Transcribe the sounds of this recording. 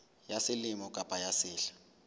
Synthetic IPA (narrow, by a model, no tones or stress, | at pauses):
jasɪlimɔkʼapʼajasɪːɬḁ